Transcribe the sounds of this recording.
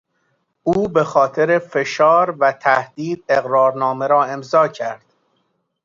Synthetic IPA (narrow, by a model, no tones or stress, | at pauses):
ʔuːbe̞xɒːt̪ʰe̞ɾefe̞ʃɒːɾvæt̪ʰæhd̪iːd̪̥̚eɣɾɒːɾnɒːmeɾɒːe̞mzɒːcʰæɾd̪̥